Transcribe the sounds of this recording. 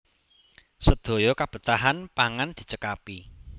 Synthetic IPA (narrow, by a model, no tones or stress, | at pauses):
səd̪̥o̤jɔkab̥ə̤t̪aɦanpaŋand̪̥i̤t͡ʃəkapi